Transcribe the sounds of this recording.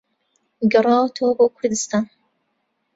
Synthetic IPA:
ɡɐrˤɑːwɐt̪ʰəwɐboːkʰʊɾd̪ɨst̪aːn

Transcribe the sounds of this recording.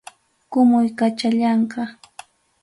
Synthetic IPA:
kʊmʊjkat͡ʃaʎɑɴqɑ

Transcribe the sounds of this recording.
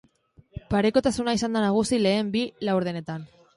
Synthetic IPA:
paɾe̞ko̞t̪asunaisand̪anaɣ̞usile̞ːmbilawɾð̞e̞ne̞t̪an

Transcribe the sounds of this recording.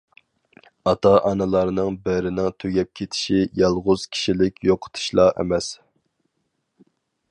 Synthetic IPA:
ɑt̪ʰɑʔɑnɨlˠɑɾnɨŋbɛɾɪnɪŋt̪ʰøɡʲɛp̚kʲʰet̪ʰɪ̥ʃijɑlˠʁʊz̥kʲʰi̥ʃilɪkʲjoqʰə̥t̪ʰu̥ʃlˠɑḛmɛs

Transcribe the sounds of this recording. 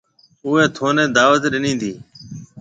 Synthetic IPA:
ʊːeːt̪ʰoːnẽːd̪aːʋət̪ɗɪnĩːnd̪iː

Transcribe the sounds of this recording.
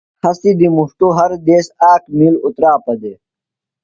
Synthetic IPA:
xɐsid̪imuʂʈuɦɐɾd̪eːsaːkmilut̪ɾaːpɐd̪e

